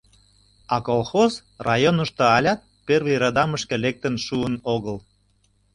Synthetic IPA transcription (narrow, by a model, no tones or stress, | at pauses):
ɑkolxoz | rɑjonəʃt̪oɑlʲɑt̪̚perβiɾɑd̪ɑməʃkĕlek̚t̪ənʃuənoɣəl